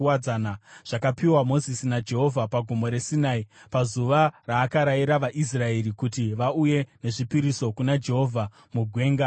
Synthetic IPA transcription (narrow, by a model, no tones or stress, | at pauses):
wad͡zanaʐ̥akapiwamo̞zisinad͡ʒe̞ɦo̞vʱapaɡʱomo̞ɾe̞sinaipazuʋaraːkaɾaiɾaʋaʔis̬rae̞ɾikutiʋauje̞ne̞ʐipiɾiso̞kunad͡ʒe̞ɦo̞vʱa | muɡʱwe̞ːŋɡa